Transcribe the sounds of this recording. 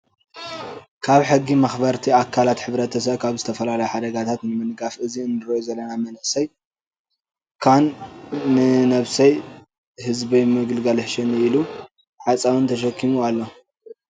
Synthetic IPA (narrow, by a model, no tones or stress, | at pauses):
kʰaβħɨɡːimɐxbɐɾt̪ʰiakʰːalat̪ħɨβɾɐt̪ʰɐs̬ɐβkʰaβzɨt̪ʰɐfɐlalɐjħad̪ɐɡat̪ʰat̪nɨmɨnɡafɨziɨnːɨɾojozɐlːɐnamɐnʔɨsɐj | kʰanː | ɨnɐβsɐj | hɨzbɐjmɨɡɨlɡalħʃɪnilu | ħat͡sʼawɨnt̪ʰɐʃɐkʰːimualːo